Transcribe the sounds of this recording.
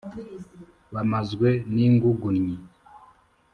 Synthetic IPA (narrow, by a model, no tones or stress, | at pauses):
βamazɡweniːŋɡuɡunɲi